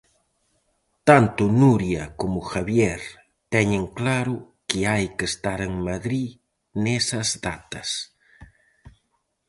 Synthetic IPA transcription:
t̪ant̪ʊnuɾjɐkomʊxaβjeɾ | t̪ɛɲeŋklaɾʊ | kɪajkest̪aɾeŋmaðɾi | nesɐzðat̪ɐs

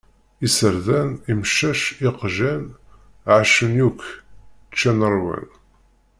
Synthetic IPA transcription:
isəɾðænimʃæʃiqʒæn | ʕʃənjukː | t͡ʃːænəɾˤwæ̰n

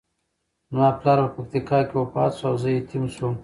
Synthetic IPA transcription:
mɑplɑɾpəpak̚t̪ikɑkʲewopɑt̪suawzəjet̪ʰimʃum

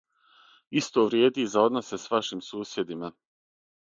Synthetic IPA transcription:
ist̪oːʋɾjeːd̪izao̞d̪no̞se̞sʋaʃimsuːsje̞d̪ima

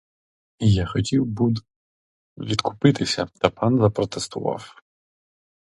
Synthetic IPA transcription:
ijaxɔtʲiwbud̪ | ʋʲid̪kʰʊ̥pɪt̪ɪsʲɐt̪ɐpɑnzɐpɾɔt̪est̪ʊʋɑ̰w

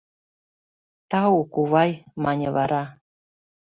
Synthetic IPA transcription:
t̪ɑukuβɑjmɑnʲevɑɾʔɑ

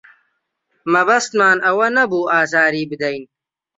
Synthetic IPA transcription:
mɐbɐst̪maːnɐwɐnɐbuːaːzaːɾiːbɪd̪ɐjn

